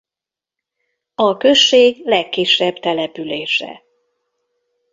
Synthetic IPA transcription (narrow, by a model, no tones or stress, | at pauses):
ɒkø̞ʃːeːɡlɛkːiʃɛbt̪ɛlɛpyleːʃɛ̰